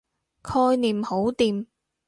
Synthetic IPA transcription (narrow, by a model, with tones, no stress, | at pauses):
kʰɔː˧jniː˨mho˨˥wt̪iː˨m